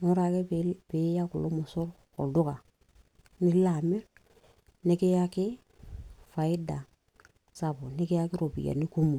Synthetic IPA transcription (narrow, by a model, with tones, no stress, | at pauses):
no˦ɾa˨ke˦pi˨˦ja˦ku˨lo˦mʊ˨so˦ɾ | ko̰˨dʊ˦ka˨ | ni˦la˨mi˦ɾ | ni˦ki˦ja˦kɪ˦ | fa˨i˦da˨ | sa˨bo˨ni˦kɪ˦ja˦kɪ˦ɾo˨bḭ˨ja̰˨ni˦ku˦mu˨